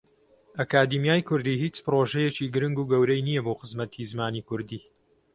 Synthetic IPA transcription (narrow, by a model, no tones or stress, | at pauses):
ʔɐkaːd̪imjaːjkʰʊɾd̪iːhiːt͡ʃpɨroʒɛjet͡ʃiːɡɨɾɨŋɡuːɡɐwɾɛjnijɐboːxəzmɐt̪ʰizmaːnikʊɾd̪iː